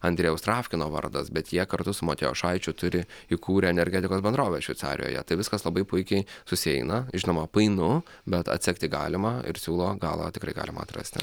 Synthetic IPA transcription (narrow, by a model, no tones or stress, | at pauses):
ɐnʲd̪ʲɾʲɛjɛʊst̪ɾɑːfʲkʲɪnoːʋɐ̰rd̪ɐsbʲɛt̪jiɛkɐɾt̪ʊsʊmoːt̪ʲejo̰ːʃɐɪt͡ʃʲʊt̪ʊɾʲɪɪkuːɾʲɛɛnʲɛɾʲɡʲɛːt̪ʲɪkoːsbʲɛnd̪ɾoːʋʲɛsʃʲʋʲɛɪtsɑ̰ːɾʲɪ̰jo̰ːjɛ̰t̪ɐɪʋʲɪskɐslˠɐbɐɪpʊɪkʲɛɪsʊsʲɪɛɪnɐʒʲɪnoːmɐpɐɪnʊ | bʲɛt̪ɐ̰t̪ʲsʲɛkt̪ʲɪɡɑ̰ːlʲɪmɑɪ̰ɾsʲuːlˠoːɡɑ̰ːlˠɐ̰t̪ʲɪkɾɐɪɡɑ̰ːlʲɪmɐ̰ːt̪rɐ̰sʲt̪ʲɪ̰